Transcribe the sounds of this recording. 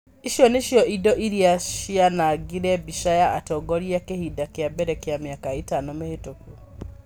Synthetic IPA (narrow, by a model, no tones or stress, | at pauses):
iʃjɔneʃjɔʔidɔʔiɾiaʃianaɡiɾɛbiʃajaʔatɔɡoɾiakehidakjabɛɾɛkjamjakaitanomehetoku